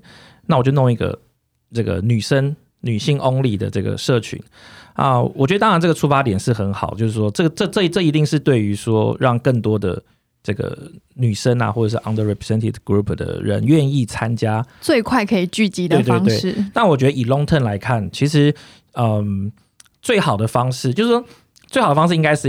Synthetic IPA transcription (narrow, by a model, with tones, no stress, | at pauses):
na˥˩wt͡ɕo˥˧ʊno˥˧ŋi˧˥ɡə̰˨ | ʈ͡ʂɤ˥˩ɡə̰˩ny˨˩ʂə˦˥n | ny˨˩ɕi˥˩ŋʔo˥ŋli˨˩d̪ə̰˩ʈ͡ʂɤ˥˩ɡə̰˩ʂɤ˥˩t͡ɕʰy̰˧˥˦nʔə̰˧˩wɔ˨˩t͡ɕɥɛ˧˥də˧t̪ɑ˥ɻa˧nʈ͡ʂɤ˥˩ɡə˩ʈ͡ʂʰu˥fa˥t̪jɛ˨˩nʂɻ̩˥˩xə˧˦˥nxɑ˨˩ʊt͡ɕjo˥˧ʊʂɻ̩˥˩ʂwɔ˥ʈ͡ʂɤ˥˩ɡə˩ʈ͡ʂɤ˥˧ʈ͡ʂɤ˥˩ʈ͡ʂɤ˥˩i˧˥t̪i˥˧ŋʂɻ̩˥˧t̪we˥˩ɪy˧˥ʂwɔ˦ɻɑ˥˧ŋkə˥˩ŋt̪wɔ˥d̪ə̰˨˩ | ʈ͡ʂɤ˥˩ɡə̰˩ny˨˩ʂə˥na̰˨xwɔ˥˩ə˨˩ʂɻ̩˥˧ʔa˧˦ŋd̪ə˧ɹɛ˨pʰɹɛ˨sɛ˥nt̪ʰi˥˧dɡ̥ɹu˥pʰd̪ə̰˩ɻə̰˧˦nɥɛ˥˧ni˥˩t͡sʰa˦nt͡ɕja˥t͡swe˥˧ɪkʰwa˥˩ɪkʰɤ˧˥i˨˩t͡ɕy˥˩t͡ɕi˨˥e˧t̪we˥˧ɪ˦ŋt̪we˥˩ɪɻ̩˥˨na˥˩nwɔ˨˩t͡ɕɥɛ˧˥d̪ə˧˨i˨˩lo˥ŋt̪ʰə˥˩nla˧˥ɪkʰa˥˩nt͡ɕʰi˧˥ʂɻ̩˧˦ | ə˩m | t͡swe˥˩ɪxɑ˨˩ʊd̪ə˩˦fɑ˥ŋʂɻ̩˥˩t͡ɕjo˥˧ʊʂ̩˥ʂwɔ˥ | t͡swe˥˩xɑ˨˩də˧fɑ˥ŋʂɻ̩˥˩˧i˥ŋka˥ɪʂɻ̩˥˨